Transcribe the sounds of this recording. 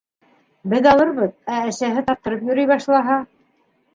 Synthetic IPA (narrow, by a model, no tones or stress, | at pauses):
bɘðɑlˠɤɾβɤðæɘ̆ʃæɦɘt̪ɑp̚t̪ɤ̆ɾɤpjɵ̆ɾɘjβɑʃlˠɑɦɑ